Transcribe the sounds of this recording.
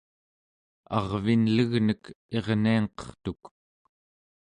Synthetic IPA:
ɑ̰ʁvinləɣnək | e̞ʁniɑŋqʌ̥χt̪uk

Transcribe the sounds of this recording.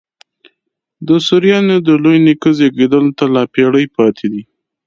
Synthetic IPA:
d̪əsʊɾjɑnod̪əlojnikəzeɡed̪əlot̪alɑpeɽəjpɑt̪ʰed̪i

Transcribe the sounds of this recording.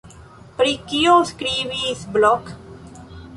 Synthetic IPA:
pɾikijoːskɾiːʋisblɔk

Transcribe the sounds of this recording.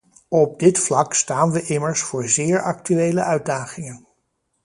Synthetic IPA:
ɔb̚dɪtflɑkstaːnʋəʔɪməɹsfʊːɹzɪːɹɑk̚tyejlə̰ʔœɥd̚daːχɪŋən

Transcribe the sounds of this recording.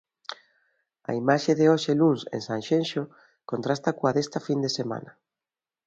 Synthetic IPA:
ɐ̰imaʃeðeoʃeluŋsḛnsaŋʃenʃo | kont̪ɾast̪akoaðest̪ɐfind̪esema̰nɐ

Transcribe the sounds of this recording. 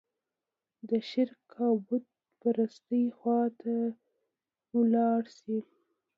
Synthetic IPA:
d̪əʃɪɾkʰɑbʊd̪̚ | paɾast̪əjxwɑt̪a | wlɑɽsi

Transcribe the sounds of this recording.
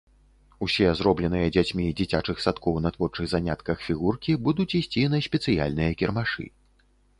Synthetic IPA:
usʲɛzɾɔblʲɛnɨjɐd͡zʲat͡sʲmʲid͡zʲit͡sʲat͡ʂɨxsat̪kɔwnɐt̪vɔrt͡ʂɨɣzanʲat̪kɐxfʲiɣurkʲibud̪ut͡sʲisʲt͡sʲinɐsʲpʲɛt̪sɨja̰lʲnɨjɐkʲɛrmaʂɨ̰

